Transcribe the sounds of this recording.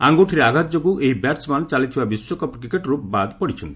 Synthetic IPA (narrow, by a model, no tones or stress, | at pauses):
aŋɡoʈʰiɾeaɡʱat̪d͡ʒoɡuʔeɦibɛʈsmant͡ʃalit̪ʰibabiswokɔpkɾikeʈɾupbad̪pɔɽit͡ʃʰɔnt̪i̥